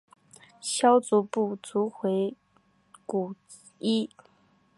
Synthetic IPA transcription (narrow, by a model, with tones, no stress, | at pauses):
ɕjɑ˥ʊt͡su˧˥pu˥˩t͡su˧˥xwe˧˥ɪ | ku˨˩ | i˥